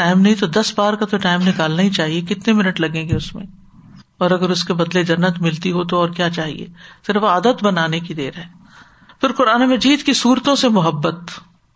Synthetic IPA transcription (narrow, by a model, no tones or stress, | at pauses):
aːɪmnɐɦĩt̪̬od̪ɐsbaːɾkat̪oʈaːɪmnɪkaːlnaɦĩt͡ʃaːɦiekɪt̪nemɪnəʈlɐɡẽːŋɡeʊsmḛ̃ | ɔːɾɐɡəɾʊskebɐd̪led͡ʒɐnːət̪mɪlt̪iɦot̪oɔːɾkjaːt͡ʃaːɦḭḛːsɪɾəfaːd̪ət̪bɐnaːnekid̪eːɾɦɛː | pɪɾqʊɾaːnemɐd͡ʒiːd̪kisuːɾt̪õsemʊɦəbːət̪